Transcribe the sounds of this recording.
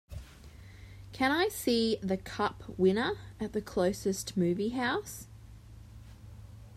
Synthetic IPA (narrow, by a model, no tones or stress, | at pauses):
kʰɨ̃ñaɪsiðɨkʰʌpʰwɪ̃nə˞ɨt̪̚ðɨkʰl̥əʊsɨstmʉːviɦaʊs